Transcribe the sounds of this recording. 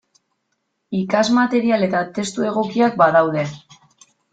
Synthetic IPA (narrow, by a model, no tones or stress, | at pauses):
ikazmat̪e̞ɾiale̞t̪at̪e̞st̪ue̞ɣ̞o̞kiak̚baðawðe̞